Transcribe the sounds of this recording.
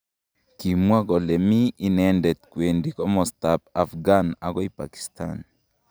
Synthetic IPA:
ki˨mwa˦kɔ˨lɛ˨miː˦nɛndɛ˨t̪̚kwendikɔ˦mɔst̪apa˨fɡana˨kɔ˦ipa̰ki̥st̪ʰa̰n

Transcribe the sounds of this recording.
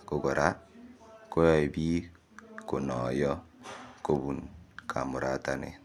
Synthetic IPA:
ko˦ɡɔ˨ɾa˦ | ko˦jɔ˦˨i˨bi˦ | ko˨nɔ˨jɔ˦ko˦bu˨nkʰa̰˨mʊ˨ɾa̰˨ta˦nḛ˨

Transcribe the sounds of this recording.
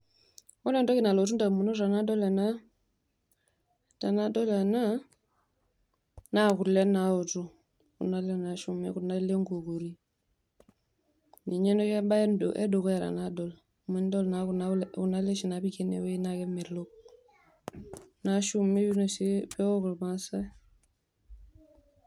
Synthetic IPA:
wne˨ndo˦ki˨na˨lo˨tu˦nda˨mu˨no˦ɾa˨na˦do˦le˨na˦ | ta˨na˦do˦le˨na˦ | na˦ku˨ɾle˦na˨o˨tu˦ | kṵ˨na˦le˦na˨ʃu˦mḛ˦ku˨na˦le˦ŋɡo˨ko˨ɾi˦ | ni˨ɲe˦no˦je˦ba˦e˦ndo˨ʔḛ˦do˨ke˨ɾa̰˨nado˨l | mə˦n˦do˦lna˨ku˨nalku˨na˦le˦ʃi˨na˨bi˦ke˦nḛ˨we˦i˦na˨ke˦me˨ɾlo˦k̚ | na˨ʃu˦me˦bi˦no˨si˦pɛ˦o˦ko˨lma˦sa˦

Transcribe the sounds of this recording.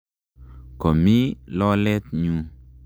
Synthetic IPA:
kɔ˨mi˦lɔ˦lɛ˦t̪ɲu˨

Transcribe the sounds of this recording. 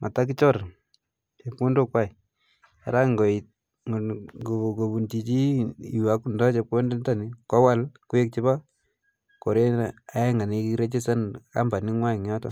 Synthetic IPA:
mʔa˨ta˦k̬i˦t͡ʃɔ˦ɾ | t͡ʃe˨pko˦ndo˦kwa˦i˨ | a̰˨ɾa˦ŋɡɔ˨i˨ | ŋ˨o˨ɡo˨bu˨nt͡ʃi˨t͡ʃiː˦˨wa˦ku˦ndɔ˦t͡ʃe˨p̚ko˦nde˦nta˦˨ni˦kɔ˦wa˦lku˦e˦k̚t͡ʃi˦ba˦ | ko˨ɾe˦a˨ɛ˦ŋa˨ni˨ki˦ɾe˦t͡ʃi˦sa˦nka̰˦mba˨ni˦ŋwa˦i˨ŋ˨ɔ˦tɔ˦

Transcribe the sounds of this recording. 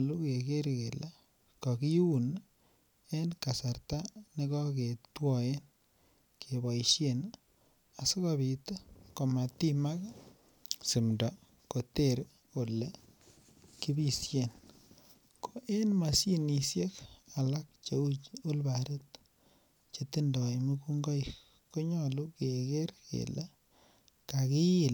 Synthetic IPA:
lu˦ke˨ke˦ɾɡe˨la˦ | kɔ˨ki˦u˨n | e˦nka˨sa˨rta˦ni˦kɔ˦ke˨twɔe˦n | kʰe˨ba˨iʃjen | a˨so˦kabi˨ta˦ko˨ma˨ti˦ma˦k | si˨mdɔ˨ | ko˨teɾ | ko˨le | ki˦bi˦sje˨n | kʰo˨ʔe˦nma˨si˦ni˨sje˦ka˨la˦k̚t͡ʃeu˦t͡ʃu˦lbaɾe˦t | t͡ʃetindɔ˨jmu˦ku˦ŋɡɔ˦jk | ko˦ɲɔlu˦keke˦ɾkḛ˨la | kaki˦i˨l

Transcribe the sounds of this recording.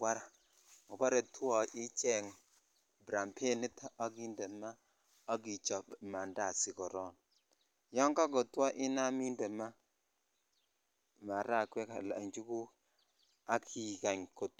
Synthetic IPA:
ɡwa˦ɾa˨ | ɔ˨ba˦ɾɛ˨tʰu˦ɔ˨ʔi˦t͡ʃɛ˦˨ŋ | bɾa˨mpʰe˦ni˦ta˦a˦ɡi˦ndɛ˨ma˦ | a˦ɡi˨t͡ʃɔ˨pma˨nda˨si˨kɔ˨ɾɔ˦˨n | jɔ˦ŋka˦ɡɔ˨tu˦ɔ˦ʔi˦na˦mi˦ndɛ˨ma˦ | ma˨ɾa˦˨kwɛ˦ka˨la̰˨ɲd͡ʒu˦ku˦ | a˦kʰi˨ka˨ɲko˨t

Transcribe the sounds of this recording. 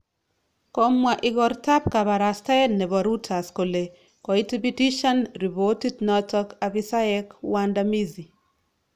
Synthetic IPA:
ko˦mwa˨ʔɪ˨ɡɔ˨ɾta˦pka˨ba˨ɾasta˦ɛnnɛ˨bɔ˨ɾu˦tʰa˨sko˨le˨ | kɔ˨itibi˦ti˦ʃa˦nɾi˨boti˦dnɔ˦tɔkabisa˦ɛ˦kwandami˦zi˨

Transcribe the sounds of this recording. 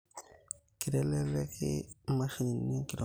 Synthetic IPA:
ki˨ɾɛ˦lɛ˦lɛ˦kɪ̰˦ma˦ʃi˦ni˨ni˦ki˨lo˨

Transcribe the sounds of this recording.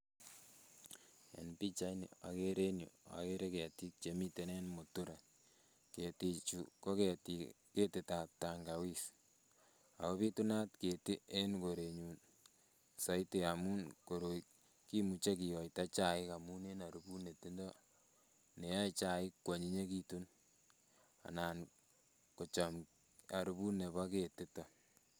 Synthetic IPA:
ḛ˨npi˦t͡ʃa˦inḭ˨a̰˨ke˦ɾe˦njo̰˨a̰˨ke˦ɾe˦ke˨ti˦k̚t͡ʃe˨mi˦te˨ne˦nmo˨tu˦ɾa˨ | ke˨ti˨t͡ʃuko˦ke˨tike˦te˨ta˨p̚ta˨ŋɡa˨wi˦s | a̰˨ko˦pi˦tu˦na˦tke˨ti˦e˦nko˨ɾe˨ɲu˨n | sa˨ite˨a˨mu˦nko˨ɾo˨ | ki˦mu˨t͡ʃe˦ki˨jɔ˨jta˦t͡ʃa˨ɪ˦ka˨mu˦ne˦na˨ɾu˦bu˦ne˨ti˦ndɔ˦ | ne˨ja˦it͡ʃa˨ɪ˦kːwɔ˨ɲi˦ɲe˦kitu˦n | a̰˨naː˨n | ko˨t͡ʃɔ˨m | a˨ɾu˦bu˦ne˨βa˦ke˨ti˦tɔ˨

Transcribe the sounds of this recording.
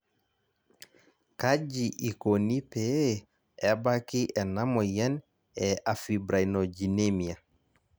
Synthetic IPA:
ka˦d͡ʒi˨ʔi˨ko˨ni˦pe˨˦ | ɛ˨ba˦ki˦ʔɛ˨na˦mɔ˨jɛ˦n | ɛ˨a˨fi˨bɾa˨ino˨d͡ʒi˨ne˦mia˨

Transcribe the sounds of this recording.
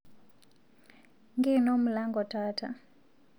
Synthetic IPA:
ŋɡi˦nɔ˦mu˨la˦ŋɡɔ˨tata̰˨

